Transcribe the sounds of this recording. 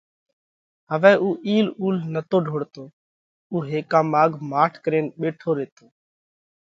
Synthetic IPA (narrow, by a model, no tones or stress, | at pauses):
ɦəʋɛːuːʔiːluːlnət̪oːɖʱoːɽt̪oː | uːɦeːkãːmaːɡʱmaːʈʰkəɾeːnɓeːʈʰoːɾeːt̪oː